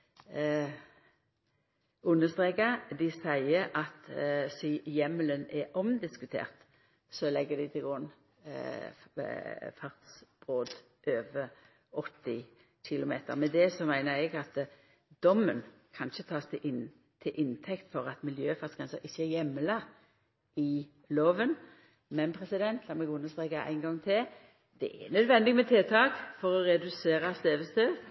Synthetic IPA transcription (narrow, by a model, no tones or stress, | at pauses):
ʉnːəst̪ʁeːkɑd̪ɪsæɪəʔɑt̪sijɛmələnɛɔmd̪ɪskʉt̪ʰḛːʁt̪ | sɔlɛɡːəd̪ɪt̪ʰɪlɡʁʊnː | fɑʁt̪sb̥ʁoːd̪ | ʔøːʋə | ɔt̪ːɪ | ɕɪlʊmeːt̪ə̰ʁmɛd̪ɛsɔmæɪnəɛɡɑt̪ | d̪ɔmːənkʰɑnʃət̪ʰɑːst̪ɪʔɪn | t̪ʰɪlʔɪnt̪ʰɛkt̪fɔʁɑt̪mɪljøːfɑt̪sɡ̥ʁɛnsəɾɪçːəæjɛmːəlɑ | ɪ | loːʋən | mɛnpʰʁɛsɪd̪ɛnt̪ʰlɑːmɛɡʉnːəst̪ʁeːkɑʔæ̰ɪnɡɑŋːt̪ʰɪl | d̪̥ɛ̰ʔɛ̰nœd̪ʋɛnd̪ɪɡmɛt̪ʰeːt̪ʰɑːkfɔʁɔʁɛd̪ʉseːʁɑst̪eːʋəst̪øː